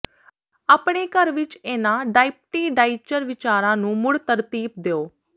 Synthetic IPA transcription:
aːpɳeːkəɾʋɪt͡ʃeːnãːɖaːip̚ʈiːɖaːɪt͡ʃəɾʋɪt͡ʃaːɾãːnũːmʊɽt̪əɾt̪iːp̚d̪eːoː

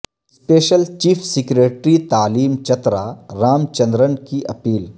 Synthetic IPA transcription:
speːʃəlt͡ʃiːpʰsɪkɾeːʈɾit̪aːliːmt͡ʃɐt̪ɾaɾaːmt͡ʃɐ̃nd̪ɾənkiʔɐpiːl

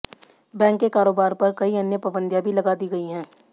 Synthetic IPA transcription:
bɛ̃ːŋkːekaːɾoːbaːɾpɐɾkɐiɐnjəpabə̃nd̪ʱjãbʱilɐɡaːd̪iɡɐiɦɛ̃ː

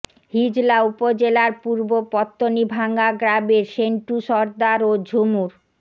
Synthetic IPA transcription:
hid͡ʑlaupod͡ʑelaɾpuɾbopɔt̪ːonibʱaŋɡaɡɾabeɾʃeɳʈuʃɔɾd̪aɾod͡ʑʱumuɾ

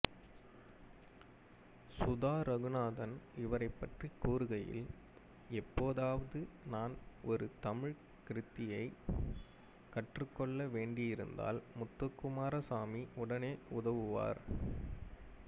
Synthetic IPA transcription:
sʊðaːɾɐɣɯnaːðɐnɪʋɐɾɐɪpːɐʈrikːuːɾɯɣɐjɪ̰l | ɛpːoːðaːʋɐðɯnaːnɔɾɯt̪ɐmɪɻ | kɪɾɯt̪ːɪjɐɪ | kɐʈrɯkːɔɭːɐʋeːɳɖɪjɪɾɯnd̪a̰ːlmʊt̪ːɐkːʊmaːɾɐsaːmiʊɽɐneːʊðɐʋɯʋa̰ːɾ

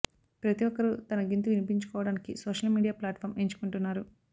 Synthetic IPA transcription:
pɾɐt̪iʋɔkːɐɾut̪ɐnɐɡint̪uʋinipiɲt͡ʃu̥kɔːʋɐɽaːnikisɔːʂɐlmiːɽijaːplaːʈfʰɐːɾme̞ːɲt͡ʃu̥kuɳʈunːaːɾu

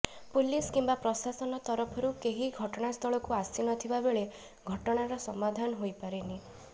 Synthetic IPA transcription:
puliskimbapɾɔsasɔnɔt̪ɔɾɔpʰɔɾukeɦiɡʱɔʈɔɽ̃ast̪ʰɔɭɔkuasinɔt̪ʰibabeɭe | ɡʱɔʈɔɽ̃aɾɔsɔmad̪ʱanɔɦojpaɾini

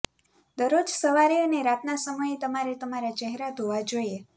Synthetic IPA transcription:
d̪əɾod͡ʒsəʋaɾioneɾat̪nasəməjet̪əmaɾet̪əmaɾat͡ʃɛɦeɾad̪ʱoʋad͡ʒoie

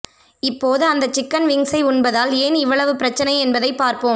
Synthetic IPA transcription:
ɪpːoːðɯɐnd̪ɐt͡ʃːɪkːɐnʋɪŋsɐɪʊnbɐðaːleːnɪʋːɐɭɐʋɯpɪɾɐt͡ʃːɐnɐɪɛnbɐðɐɪpːaːɾpoːm

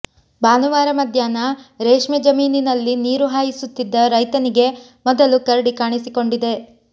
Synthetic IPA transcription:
baːnuʋaːɾɐmɐd̪ʱjaːnɐɾeːʂmed͡ʒɐmiːninɐlːiniːɾuɦaːjisut̪ːid̪ːɐɾɐjt̪ɐniɡe̞ | mɔd̪ɐlukɐɾɐɽikaːɳisiko̞ɳɖid̪e̞

